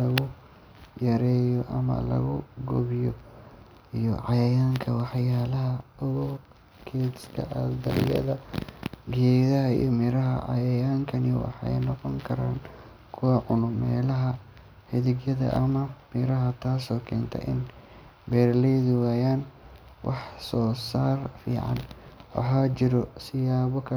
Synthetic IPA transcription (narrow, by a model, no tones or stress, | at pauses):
lɐɣʊ | jɐɾɛːjɔʔɐ̰mɐ̰lɐ̰ɣʊɡɔ̰βɪjɔ | ijɔʕɑjɐjaːŋkʰɐwɑħjaːlɐɦɐʊɣɔ | kʰɛːskʰɐ̰ʔɐd̪ɐɾɪ̰jɐ̰ðɐ | ɡɛːðɐɦɐḭjɔmɪɾɐɦɐ̰ʕɑ̰jɐjaːŋkʰɐnɪwɑ̰ħɑɛ̰jnɔqɔŋkʰɐɾa̰ːn | kʰʊwɐʕʊnʊmɛːlɐɦɐ | hɪðɪɡjɐðɐ̰ʔɐmɐmɪɾɐɦɐt̪ʰaːsɔːkʰɛːnt̪ʰɐ̰ʔɪ̰n | bɛːrlɛðʊwaːjaːn | wʔɑħsɔːsaːrfḭːʕɑ̰nwɑ̰ħaːt͡ʃɪɾɔsɪjaːβɔkʰɐ